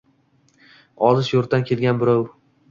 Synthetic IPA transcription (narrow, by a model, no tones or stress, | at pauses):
ɒzɪʃjoɾt̪ankʲʰelɡʲanbɪɾɒw